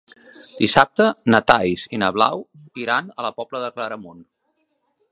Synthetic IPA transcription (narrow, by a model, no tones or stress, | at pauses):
d̪isap̚t̪ənət̪ajzinəβla̰w | iɾanələpɔbləðəkləɾəmon